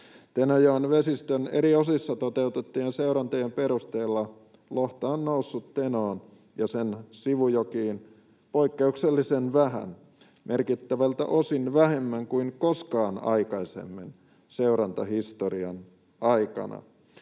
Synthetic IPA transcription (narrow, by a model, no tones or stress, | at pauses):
t̪enojoːnʋesist̪ønḛɾiosisːɑt̪ot̪e̞ut̪et̪ːiːnseuɾɑnt̪ojempeɾust̪eːlːɑ | loht̪ɑːnːousːut̪tenoːn | jɑsensiʋujokiːn | poikːeukselːisenʋæɦæ̰n | mʔerkit̪ːæʋælt̪æ̰ʔosinʋæɦe̞mːæŋkuinkoskɑːnɑ̰ikɑisḛmːin | seuɾɑnt̪ɑhist̪oriɑn | ɑikɑ̰nɑ̰